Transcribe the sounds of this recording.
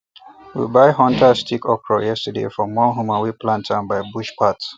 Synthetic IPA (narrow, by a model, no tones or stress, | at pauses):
wḭbaɪɦɔ̃ntʰastʰikɔpɹɔjɛstədḛfɹɔ̃mwɔ̃nɦumawiplãntʰãnbaɪbuʃpʰat